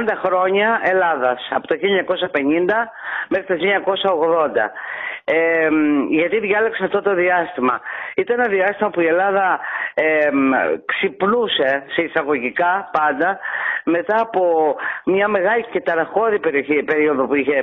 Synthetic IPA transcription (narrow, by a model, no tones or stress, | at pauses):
nd̪ɐxɾo̞ɲɐe̞lɐðɐsɐ̰po̞t̪oçilɲɐko̞sɐpe̞ɲind̪ɐme̞xɾit̪oçilɲɐko̞sɐo̞ɣðo̞nd̪ɐ̰emʝɐt̪iðʝɐlekseɐft̪o̞t̪o̞ðiɐst̪imɐit̪ɐnenɐðiɐst̪imɐpuie̞lɐðɐ | ksipnuse̞se̞isɐɣo̞ʝikɐpɐnd̪ɐme̞t̪ɐːpo̞mɲɐme̞ɣɐlice̞t̪ɐɾɐxo̞ðipeɾioçipe̞ɾio̞ðo̞puiçe̞